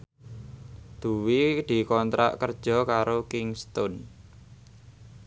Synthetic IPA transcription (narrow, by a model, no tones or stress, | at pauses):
d̪̥ṳwid̪̥i̤kɔnt̪ɾa̰ʔkərd̥ʒ̥ɔ̤kaɾokɪŋst̪ʊn